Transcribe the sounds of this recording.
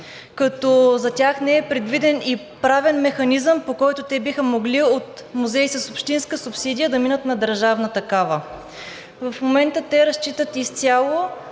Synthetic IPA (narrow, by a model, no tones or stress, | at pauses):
kɐt̪ɔzɐt̪ʲjaxnɛɛpɾɛd̪vid̪ɛni | pɾavɛnmɛxɐnizəmpokɔjt̪ʊt̪ɛbixəmoɡliot̪ | muzɛjsəsʊpʃt̪inskəsʊpsid̪ʲijəd̪ɐminət̪nɐd̪əɾʒavnət̪ɐkavə | vɐfmomɛnt̪ət̪ɛɾɐst͡ʃit̪ət̪ist̪ʲalˠo